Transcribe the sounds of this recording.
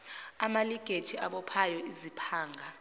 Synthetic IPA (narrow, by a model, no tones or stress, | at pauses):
amaliɡ̥ʱed̥ʒ̥ʱiaɓɔpʰajɔizipʰaːŋʱa